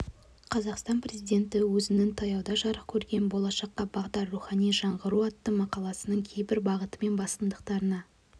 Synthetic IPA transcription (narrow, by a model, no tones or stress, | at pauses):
qʰɑzɑqst̪ɑnprʲe̞zijd̪e̞nt̪ɪwɵzɪnɪŋt̪ʰɑjɑwd̪ɑʒɑɾəq̚kʲʰɵɾɡʲe̞nbo̞lˠɑʃɑqːɑbɑʁd̪ɑɾːuχɑnijʒɑɴʁəɾuɑt̪ːəmɑqɑlˠɑsənəɴkʲʰejbɪɾbɑʁət̪əme̞nbɑst̪ənd̪əqt̪ɑɾənɑ